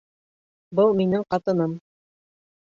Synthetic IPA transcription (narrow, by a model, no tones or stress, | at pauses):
bɤlˠminɘŋqɑt̪ɤ̆nɤm